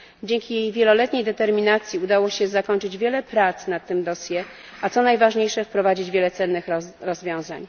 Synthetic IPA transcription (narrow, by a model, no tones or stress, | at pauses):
d͡ʑeŋkʲijejvʲjɛlɔlɛt̪ɲejd̪ɛt̪ɛɾmʲinat̪sʲjiud̪awɔɕɛzakɔɲt͡ʂɘd͡ʑvʲjɛlɛpɾat̪snat̪ːɘmd̪ɔsʲjɛ | at̪sɔnajvaʐɲejʂɛfpɾɔvad͡ʑid͡ʑvʲjɛlɛt̪sɛnːɘxɾɔzvʲjɔ̃w̃zaɲ